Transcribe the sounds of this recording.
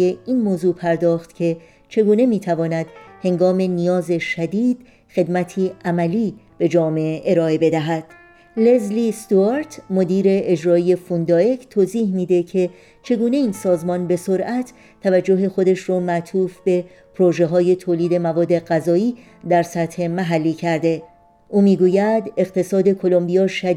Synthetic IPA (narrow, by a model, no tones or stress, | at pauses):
eiːnmoːzuːpʰæɾd̪ɒːxt̪cʰe̞ | t͡ʃʰe̞ɡuːne̞miːt̪ʰævɒːnæd̪̥he̞ŋɡɒːme̞nijɒːze̞ʃæd̪iːd̪̥ | xe̞d̪mæt̪ʰiːʔæmæliːb̥e̞d͡ʒɒːmeeʔeɾɒːe̞be̞d̪æɦæd̪̥ | le̞zlist̪uaɾt̪ʰmo̞d̪iːɾe̞ʔed͡ʒɾɒːije̞fund̪ɒːekʰt̪ʰoːziːhmiːd̪e̞cʰe̞ | t͡ʃʰe̞ɡuːne̞iːnsɒːzmɒːnbe̞soɾʔæt̪ʰ | t̪ʰːævæd͡ʒːo̞ɦe̞xo̞d̪eʃrɔːmæt̪ʰuːfbe̞ | pʰɾoʒe̞ɦɒːje̞t̪ʰoːliːd̪e̞mævɒːd̪ːe̞ɣæzɒːiː | d̪æɾsæt̪he̞mæɦælːiːcʰæɾd̪e̞ | ʔuːmiːɡuːjæd̪e̞ɣt̪ʰe̞sɒːd̪e̞kʰo̞lo̞mbijɒːʃæ